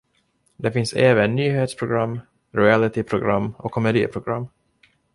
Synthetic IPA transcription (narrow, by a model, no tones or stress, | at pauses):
d̪ɛfɪnseːvənːyːɦeːt̪spʰɾʊɡɾamː | ɾʊælɪt̪ɪpʰɾʊɡɾa̰mːɔ̰kʰːɔmɛd̪ḭːpʰɾʊɡɾamː